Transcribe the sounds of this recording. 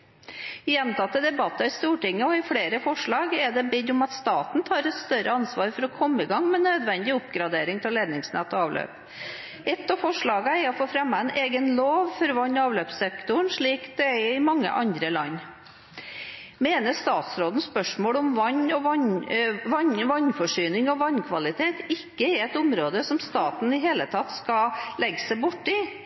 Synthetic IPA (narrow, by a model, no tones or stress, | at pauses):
ɪjɛnt̪ɑt̪ːəd̪ɛbɑt̪ːɑɪst̪uːʈɪŋːəɔɪfɽeːɾəfɔʂɭɑːɡɛɖɛbɪd̪ʊmɑt̪st̪ɑːt̪nt̪ʰɑːɾɛt̪st̪œɾəɑnsʋɑːɾfɔɾɔkʰɔmːəɪɡɑŋːmɛnøːd̪ʋɛnd̪ɪʊpɡɾɑd̪eːɾɪŋt̪ʰɪlleːd̪nɪŋsnɛt̪ːɔɑːʋlø̰ːp | ɛt̪ːɑfɔʂɭɑːɡəæɔfoːfɾɛmːɑɛɪnʔeːɡənloːʋfɔɾɔʋɑnːɑːʋløːpsɛkt̪ʊɳʂɭiːkd̪̥ɛæɪmɑŋːə̰ʔɑnd̪ɾəlɑnː | meːnəʂt̪ɑːt̪sɾoːd̪ən̩spœʂmoːɽɔmʋɑɲːɔʋɑ | ʋɑɲʋɑɲːfɔʂyːnɪŋɔʋɑɲkʰʋɑlɪt̪ʰeːt̪ɪkːəɪɛt̪ʊmɾoːd̪əsɔmst̪ɑːt̪n̩ɪɦeːlət̪ʰɑt̪ːskɑlɛɡəsæɪbʊʈːɪ